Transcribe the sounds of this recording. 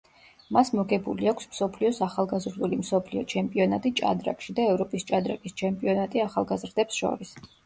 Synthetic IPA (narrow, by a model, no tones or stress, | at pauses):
masmɔɡɛbuliakʷʰsmsɔpʰliɔsaχalˠɡazɾd̪ulimsɔpʰliɔt͡ʃʰɛmpʼiɔnat̪ʼit͡ʃʼa̰d̪ɾa̰kʼʃid̪aɛvɾɔpʼist͡ʃʼad̪ɾakʼist͡ʃʰɛmpʼiɔnat̪ʼiaχalˠɡazɾd̪ɛpsʃɔ̰ɾis